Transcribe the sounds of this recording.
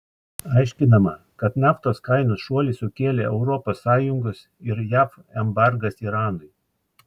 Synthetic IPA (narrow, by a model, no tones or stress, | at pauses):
ɐɪʃʲkʲɪnɐmɐ | kɐt̪nʲɑːft̪oːskɐɪnoːsʃuɔlʲɪsʊkʲeːlʲeːʔɛʊɾɔpoːsːɑːjʊŋɡos | ɪɾjæːf | ɛmbɑɾɡɐsiɾɑːnʊɪ